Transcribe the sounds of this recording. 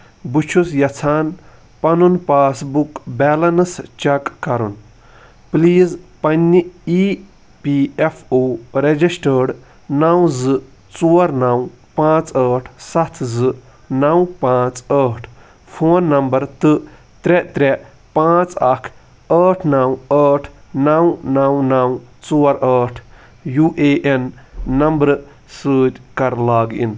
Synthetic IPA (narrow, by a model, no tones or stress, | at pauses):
but͡ʃʰusjɐt͡sʰaːn | pɐnunpaːsbukbɛːlɐnɨst͡ʃɐkːɐɾṵn | pliːzpɐnʲːiiː | piefʰoːɾed͡ʒisʈəːɖ | naw̃zɨ | t͡suːɐɾnɐw | pãːt͡səːʈʰsɐt̪ʰzɨ | naw̃pãːt͡səːʈʰ | pʰoːnːɐmbɐɾt̪ɨ | t̪ɾet̪ɾe | pãːt͡sɐkʰ | əːʈʰnawəːʈʰnawnawnawt͡soːɾəːʈʰ | juːʔeːʔenːɐmbɾ | səːt͡ʃkɐɾlaːɡḭn